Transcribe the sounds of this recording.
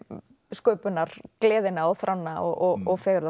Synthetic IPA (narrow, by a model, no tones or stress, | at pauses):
skœɥpʏnːaɾ̥klɛːðɪnaɔθɾʔawnːaɔ̰ɣɔɣɔɣfɛːɣɾða